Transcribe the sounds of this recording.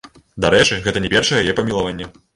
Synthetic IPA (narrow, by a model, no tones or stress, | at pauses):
d̪aɾɛt͡ʂɨɣɛt̪ɐnʲɛpʲɛrʂɐjɛjajɛpɐmʲilˠavanʲːɛ